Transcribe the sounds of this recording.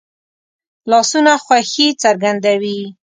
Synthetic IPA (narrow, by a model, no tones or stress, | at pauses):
lɑsunaxwaxit͡saɾɡand̪awi